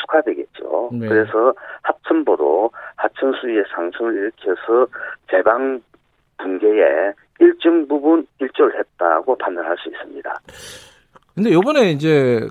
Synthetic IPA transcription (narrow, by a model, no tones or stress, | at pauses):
sʰu̥kʰadwe̞ɡet̚t͡ɕ͈o̰kɯɾe̞sʰʌhap̚t͡ɕʰɯnbʌɾohat͡ɕʰɯnsʰuie̞sʰaŋsʰɯmɯɾiɾɯkʰijʌsʰʌt͡ɕe̞baŋ | punɡe̞jḛ | iɭt͡ɕ͈ɯŋbubuniɭt͡ɕ͈ʌɯɭhe̞t̚t͈a̰ɡopandanɦaɭs͈uis͈ɯmɲida̰ | kɯnd̪e̞jobʌne̞ind͡ʑe̞